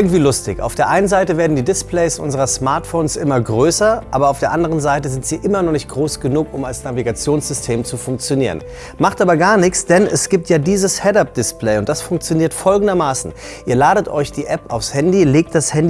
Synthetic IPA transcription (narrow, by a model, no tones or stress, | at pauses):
ʔɪɐɡŋ̩tv̥iːlʊstɪ̰çaʊfd̥eːɐʔaɪnənzaɪtəveːɐdn̩diːdɪsplɛɪsʔʊ̰nzəʁ̞ɐsmaɐtfoːnsʔɪmɐɡʁøːsɐʔaːbɐaʊfd̥eːɐʔandəʁ̞ənzaɪtəzɪntz̥iːʔɪmɐnɔχnɪçt̚ɡ̥ʁoːsɡ̥ənuːkʊmalsnaviɡat͡sjoːnsz̥ʏstʰeːmt͡sufʊŋkt͡sjoniːʁ̞ə̰n | maχtʔaːbɐɡaːɐnɪçt͡sd̥ɛnɛ̰sɡ̥iːp̚tjaːdiːzəshɛtap̚d̥ɪsplɛɪʊnt̚d̥asfʊŋk̚t͡sjoniːɐtfɔlɡŋ̩dɐmaːsn̩ | ʔiːɐlaːɾətʔɔʏçd̥iːʔɛpa̰ʊfshɛndileːk̚t̚d̥ashɛndi